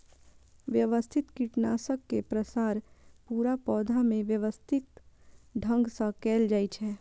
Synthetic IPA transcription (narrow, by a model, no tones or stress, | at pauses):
ʋjəʋəst̪ʰɪt̪kiʈnaːsəkːepɾəsaːɾpuːɾapɔːd̪ʱamẽʋjəʋəst̪ʰɪt̪ɖʱə̃ŋɡsãkɛːld͡ʒaːit͡ʃʰɛː